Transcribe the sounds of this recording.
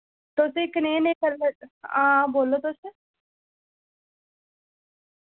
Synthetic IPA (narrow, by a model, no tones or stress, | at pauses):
t̪ʊsekənẽːnẽːkəɾleãːboːlːoːt̪ʊse